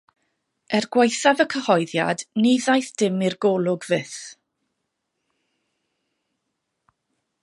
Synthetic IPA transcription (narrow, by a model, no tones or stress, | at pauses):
ɛrɡwajθavəkʰəhɔjðja̰dniðajθd̥ɪmirɡɔːlˠʊɡvɪθ